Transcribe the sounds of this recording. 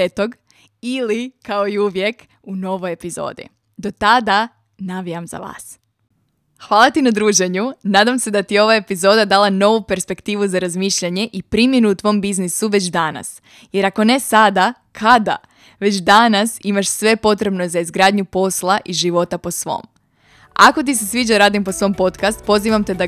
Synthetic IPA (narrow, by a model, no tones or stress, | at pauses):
et̪oɡ | ilikaoiuʋje̞k | uno̞ʋoje̞pizo̰ːd̪ḭ | d̪o̞t̪ad̪a | naʋiamza̰ʋa̰ːs | xʋaːlˠat̪inad̪ɾuːʒe̞ɲunaːd̪amse̞d̪at̪ieo̞ʋaepizo̞ːd̪ad̪alˠano̞ʋupe̞ɾspe̞kt̪iːʋuzaɾazmiːʃʎaɲe̞ʔipɾimje̞nuut̪ʋo̞mbiznisuʋe̞t͡ɕd̪ana̰s | je̞ɾako̞ne̞sad̪a | kʰad̪a̰ | ʋe̞t͡ɕd̪anasimaʃsʋe̞po̞t̪ɾe̞bnozaizɡɾaːd̪ɲupo̞slˠaʔiʒiʋo̞t̪apo̞sʋo̞̰ːm | a̰ko̞t̪is̬e̞sʋiːd͡ʒaɾaːd̪impo̞sʋo̞mpo̞t̪kast̪̚po̞ziʋamt̪e̞d̪a